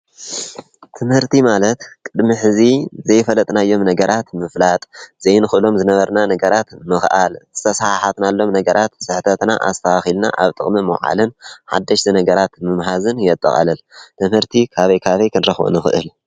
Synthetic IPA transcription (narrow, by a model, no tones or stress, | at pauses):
t̪ʰɨmhɨɾt̪ʰimalɐt̪kʼɨd̪miħɨzizɐjfɐlɐt̪ʼnajːo̞mnɐɡɐɾʔat̪mɨflat̪ʼzejnɨxɨʔɨlo̞mzɨnɐβɐɾnanɐɡɐɾat̪mɨxʔalzɨ̥t̪ʰɐsahħat̪nalːo̞mnɐɡɐɾʔat̪sɨħt̪ʰɐt̪na̰ʔa̰st̪ʰɐwaxilna̰ʔa̰βt̪ʼɨ̰χʼmimɐwʕa̰lɨnħa̰d̪ːɐʃt̪inɐɡɐɾat̪mɨmɦazɨnjɛt̪ʼːɐ̰χʼɐ̰lɐlt̪ʰɨmhɨɾt̪ʰikʰaβɐjkʰaβɐjkʰɨnɾɐxbṵnɨxɨʔɨ̰l